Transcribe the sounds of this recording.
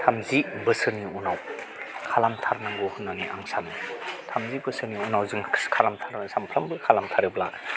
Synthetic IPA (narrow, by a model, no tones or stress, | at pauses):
tʰamzibəsɯniunaw | kʰalamtʰaɾnaŋɡohunːaŋiʔaŋsanintʰamzibɯsɯniunawzɯŋkʰalamtʰaɾnɐsampʰɾambɯkʰalamtʰaɾiblak